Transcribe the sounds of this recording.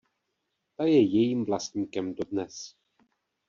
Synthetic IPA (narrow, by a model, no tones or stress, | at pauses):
t̪ajɛjɛjiːmvlast̪ɲiːkɛmdo̞dnɛs